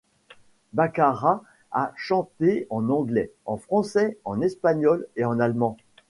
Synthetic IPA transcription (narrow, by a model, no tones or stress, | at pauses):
bakaʁa | a̰ʃɑ̃t̪eɑ̃nɑ̃ɡlɛɑ̃fχɑ̃sɛɑ̃nɛspaɲɔleɑ̃nalmɑ̃